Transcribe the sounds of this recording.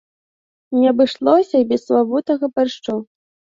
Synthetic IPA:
nʲɛɐbɨʂlˠɔsʲɐibʲɛsːvavut̪ɐɣɐparʂt͡ʂɔw

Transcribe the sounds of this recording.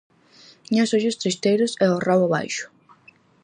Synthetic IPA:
ɲasoʒʊst̪ɾist̪ejɾʊsɛorawaβa̰jʃʊ̥

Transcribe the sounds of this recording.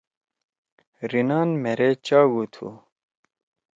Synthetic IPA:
ɾinaːnmeɾet͡ɕaːɡut̪ʰṵ

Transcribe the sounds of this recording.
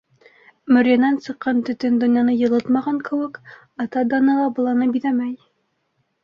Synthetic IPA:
mɵ̆ɾʲjanænsɤ̆qːɑnt̪ɵ̆t̪ɵnd̪ɵ̆nʲjɑnɤjɤ̆lˠɤt̪mɑʁɑŋkɘ̆wɘk | ɑt̪ɑd̪ɒnɤlˠɑbɤ̆lˠɑnɤbiðæmæj

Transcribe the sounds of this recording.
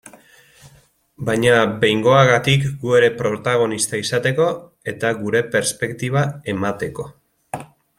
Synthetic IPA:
bajɲabe̞jŋɡo̞aɣat̪ikɡue̞ɾe̞pɾo̞t̪aɣ̞o̞nist̪aisat̪e̞ko̞ | e̞t̪aɣuɾe̞pe̞ɾspe̞kt̪iβ̞ae̞mat̪e̞ko̞

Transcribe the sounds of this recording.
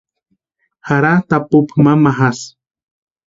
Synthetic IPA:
haɾat̪apupmamaɦas

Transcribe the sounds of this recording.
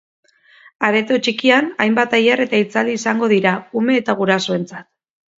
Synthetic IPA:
aβe̞t̪o̞t͡ʃikianajmbat̪ajare̞t̪ait͡sald̪iːsaŋɡo̞ðiɾaume̞ːt̪aɣ̞uɾaso̞e̞nt͡sat̪̚

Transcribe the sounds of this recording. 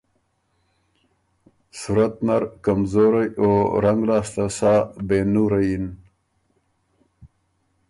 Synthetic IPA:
suɾɐt̪naɾkamzoːɾajoɾɐŋɡlɑːst̪ɐsaːbenuɾɐjin

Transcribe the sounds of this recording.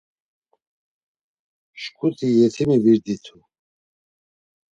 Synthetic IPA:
ʃkʰut̪ʰijɛt̪ʰimiviɾd̪it̪ʰu

